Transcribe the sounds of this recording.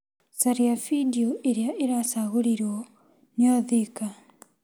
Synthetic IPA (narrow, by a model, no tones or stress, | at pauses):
saɾiafidioʔeɾeaʔeɾasaɣoɾiɾɔ | neɔðika